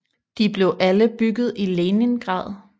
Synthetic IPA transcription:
d̥ib̥le̝ʊʔæləb̥yɡ̥ð̞̩ˠileːnənɡ̥ʁɑ̰̈ːð̩ˠ

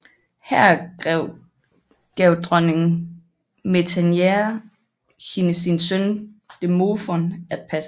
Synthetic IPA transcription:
hæɐ̰ɡ̥ʁɛʊ̰ | ɡ̥ɛʊd̥ʁœneŋ | me̝t͡sʰænjeɐ | hinəsinsønd̥e̝mofɔnæd̥̚pʰæs

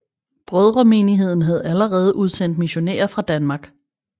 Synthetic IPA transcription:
b̥ʁœð̞ˠʁɒme̝ːniɦe̝ð̞̰ˠn̩ɦæð̞̩ˠælɐʁɛːð̞̩ˠəʔuð̞ˠsen̰d̥̚miɕo̝nḛːɐfʁɑ̈d̥ænmɑ̈ːɡ̥

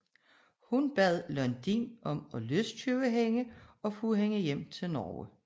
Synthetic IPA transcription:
hunb̥ɛð̰ˠlœnd̥ḭnʔɒ̽mɒ̽løst͡sʰyʊəɦeŋəɒ̽fuɦeŋəjem̰t͡sʰe̝lnɒːə̰

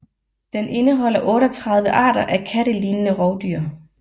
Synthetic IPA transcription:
d̥enʔe̝nəɦɒ̽l̰ɐʔɔ̽ːɾɒt͡sʰʁɑ̈ð̞ˠʋəʔɑ̰̈ːɾ̥ɐʔækʰæɾəliːnənəʁɒʊd̥yːɐ

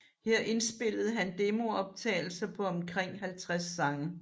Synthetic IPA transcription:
heɐ̰ʔe̝nsb̥e̝l̰ð̩ˠɦænd̥e̝mo̝ɒ̽b̥̚t͡sʰɛ̰ːɪl̩sɐpʰɒ̽ɒ̽mkʰʁɛŋ̰ɦælt͡sʰʁasːɑ̈ŋə

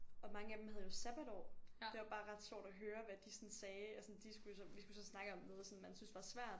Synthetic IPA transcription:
ɒ̽mɑ̈ŋəæd̥emhæðˠjo̝sæb̥ædɒːd̥e̝ʋɑ̈b̥ɑ̈ːʁɑ̈d̥ɕjɒ̰d̥ɒɦøːɐʋæd̥isɒ̽nsɛːæsɒ̽nd̥isɡ̥ujosɒ̽ʋisɡ̥usɒ̽snɑ̈ɡ̥əɒ̽mːeðˠsɔ̽nmænsynsd̥ʋɑ̈sʋæɐ̰d̥

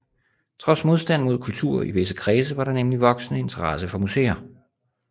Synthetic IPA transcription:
t͡sʰʁɒ̽smo̝ð̞ˠsd̥æn̰mo̝ð̞̰ˠkʰult͡sʰuɐ̰iʋe̝s̬əkʰʁɛːs̬əʋɑ̈ɾɑ̈nemliʋɒ̽ɡ̥snəe̝nt͡sʰɐʁɑsəfɒ̽musḛːɐ

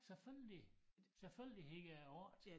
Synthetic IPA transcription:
seføləliselføl̰lie̝ɡ̥əæɒɐd̥

